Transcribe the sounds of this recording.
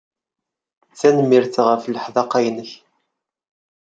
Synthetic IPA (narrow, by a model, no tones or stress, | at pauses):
t͡sːænmːiɾθʁəfləħðɑqːɑjnəç